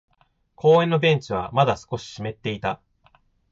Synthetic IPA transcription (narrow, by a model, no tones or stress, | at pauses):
kʰo̞ːẽ̞nːo̞bẽ̞ɲ̟t͡ɕiβamad̪asɨ̥ko̞ɕi̥ɕime̞t̪ːe̞it̪a